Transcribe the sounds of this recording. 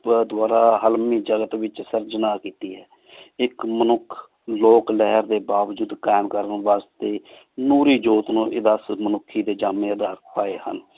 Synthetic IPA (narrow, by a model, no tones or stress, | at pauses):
d̪ʊaːɾaːɦəlmiːd͡ʒəɡət̪ʋɪt͡ʃsəɾd͡ʒnaːkiːt̪iːɦɛː | ɪkmənʊkʰ | loːklɛɦəɾd̪eːbaːʋd͡ʒʊd̪kaːɪmkəɾənʋaːst̪eː | nuːɾiːd͡ʒoːt̪nũːʔɪd̪aːsmənʊkʰːiːd̪eːd͡ʒaːmẽːəd̪aːɾpaːeːhə̰n